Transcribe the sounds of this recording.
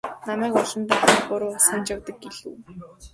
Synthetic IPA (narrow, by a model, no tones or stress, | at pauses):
namæːkʊɮə̆nt̪aːχətpʊɾʊsănt͡ɕawt̪ə̆k̚ɡeɮṵ̆w